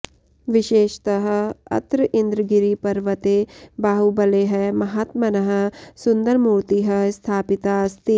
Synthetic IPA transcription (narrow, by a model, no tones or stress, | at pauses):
ʋɪʃeːʃt̪ɐɦɐ̆ɐ̰t̪ɾəʔĩnd̪ɾəɡiɾipɐɾʋɐt̪eːbaːɦubɐleːɦɛmɐɦaːt̪mɐnɐɦɐ̆sʊnd̪əɾmuːɾt̪iɦɐst̪ʰaːpɪt̪aɐst̪i